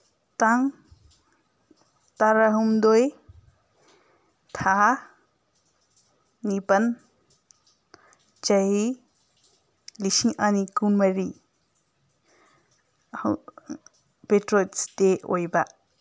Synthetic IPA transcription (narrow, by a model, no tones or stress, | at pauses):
t̪aŋ | t̪aɾaɦumd̪oj | t̪ʰa | nipən | t͡ʃɐɦi | lisĩʔanikunməɾi | h | petɾot͡st̪eojba